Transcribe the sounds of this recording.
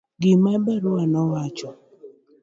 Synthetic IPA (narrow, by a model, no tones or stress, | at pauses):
ɡɪmabɛɾʊwanɔwat͡ʃɔ